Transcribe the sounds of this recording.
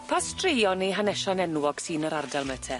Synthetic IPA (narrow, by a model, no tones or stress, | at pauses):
pʰastʰriːɔniɦanɛʃɔnɛnwɔɡ̥siːnəɾardalˠməːtʰɛ